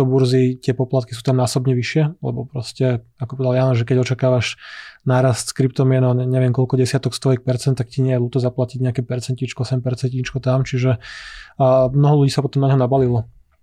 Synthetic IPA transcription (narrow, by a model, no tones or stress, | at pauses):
ɔbuɾzit̪ɪɛpɔplat̪̚ki̥suːt̪amnaːsɔbɲɛʋiʃɪɛlɛ̰bɔpɾɔscɛakɔpɔʋɛd̪aljaːnɔʒɛkɛɟɔt͡ʃakaːʋaʃnaːɾast̪skɾipt̪ɔmɪɛnɔɛɲɛʋɪɛmkɔlkɔɟɛsɪat̪ɔkst̪ɔix̚pɛɾt͡sɛnt̪ːakciɲɛjɛluːt̪ɔzaplaciɟɲɛakɛːpɛɾt͡sɛntɲit͡ʃkɔɔsɛmpɛɾt͡sɛntɲit͡ʃkɔt̪amt͡ʃiʒɛ | mnɔɦɔluɟiːsapɔt̪ɔmnaɲɦɔnabalilɔ